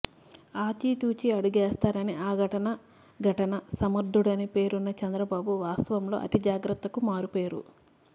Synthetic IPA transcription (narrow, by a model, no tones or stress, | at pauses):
aːt͡ʃiːt̪uːt͡ʃiɐɽuɡeːst̪aːɾɐniʔaːɡʱɐʈɐnɐ | ɡʱɐʈɐnɐsɐmɐɾd̪ʱːuɽɐnipe̞ːɾunːɐt͡ʃɛnd̪ɾɐbaːbuʋaːst̪ɐʋɐmlo̞̰ːʔɐ̰t̪id͡ʒaːɡɾɐt̪ːɐkumaːɾupeːɾṵ